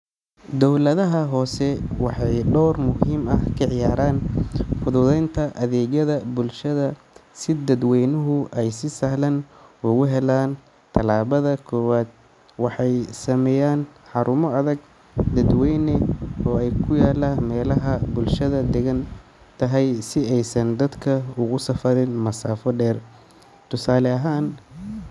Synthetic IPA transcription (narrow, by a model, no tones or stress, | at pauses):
d̪ɔwlɐðɐɦɐɦɔːsɛwɑħɑjɖɔwrmʊɦiːmɐhkʰɐʕɪjaːɾaːnfʊðʊðɛjnt̪ʰɐʔɐðɛːɣɐðɐbʊlʃɐðɐ | sɪd̪ɐd̪wɛjnʊɦʊʔɛjsɪsɐhlɐnʊɣʊɦɛlaːn | t̪ʰɐlaːβɐðɐkʰɔːwaːd̪̚ | wɑħɑjsɐmɛjaːnħɑɾʔʊmɔɐðɐɡ | d̪ɐd̪wɛjnɛɔːɛjkʰʊjaːlaːmɛːlɐɦɐbʊlʃɐðɐd̪ɛɣɐn | t̪ʰɐɦɛjsɪɛjsɐnd̪ɐd̪kʰɐʊɣʊsɐfɐɾɪnmɐsaːfɔɖɛːr | t̪ʰʊsaːlɛɐɦaːn